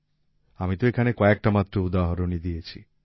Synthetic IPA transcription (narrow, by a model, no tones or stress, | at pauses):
amit̪oekʰanekɔek̚ʈamat̪ːɾoud̪aɦɔɾonid̪ijet͡ʃʰi